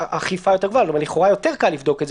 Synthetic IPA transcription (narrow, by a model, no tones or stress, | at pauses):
aχifajo̞t̪̬e̞ɡvoalotomliχoʁajo̞t̪e̞ʁkalːivd̪o̞kez